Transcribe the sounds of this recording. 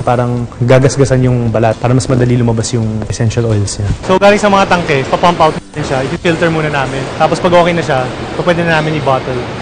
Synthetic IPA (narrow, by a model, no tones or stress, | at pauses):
paːɾɐŋɡaːɡɐsɡɐsɐnjʊŋbɐlɐt̪̚paːɾɐmɐsmɐd̪ɐlilʊmɐbasjʊŋʔɛsɛnʃɐlʔojlsɲasoɡaːlɪŋsɐmɐŋat̪ɐŋkɛpɐpampawt̪̚amɪnʃaʔɪpɪfilt̪ɛɹmuːnɐnaːmɪnt̪aːpospɐɡʔoːkejnɐʃapɐpwɛd̪ɪnɐnaːmɪnɪbaːt̪ɛl